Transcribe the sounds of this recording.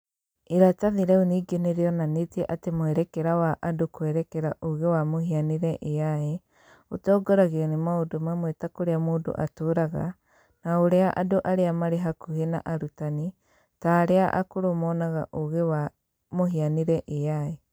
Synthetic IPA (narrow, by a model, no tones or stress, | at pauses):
eɾataðeɾɛoniːɡeneɾeɔnanetiɛʔatemoɛɾɛkɛɾawaʔadokoɛɾɛkɛɾaʔoɣewamohianeɾɛʔeae | otɔːɡɔɾaɣeanemaodomamwetakoɾeamoːdo̰ʔatoːɾaɣa̰ | naoɾeaʔa̰doʔaɾeamaɾeɦakuhena̰ʔaɾutani | taːɾeaʔa̰koɾomɔːnaɣa̰ʔoɣewa | moɦianeɾɛʔeae